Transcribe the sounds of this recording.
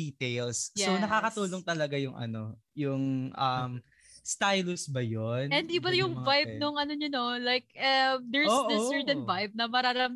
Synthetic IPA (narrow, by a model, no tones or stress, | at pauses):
iːt̪ejlsjsonɐkaːkɐt̪uːloŋt̪ɐlɐɡajʊŋʔɐ̰no̞jʊŋʔɐm | st̪ajlʊsbɐjonɛ̃nd̪ibɐjʊŋvajb̚nʊŋɐnoɲʊnolajk̚ɐmd̪ɛɹoːʔd̪ɛsɛɹt̪ɛ̃nvajb̚nɐmɐɾaɾɐm